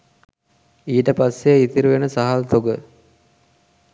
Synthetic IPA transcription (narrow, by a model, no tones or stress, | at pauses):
iːʈəpasːeit̪iɾuʋenəsaɦalt̪oɡə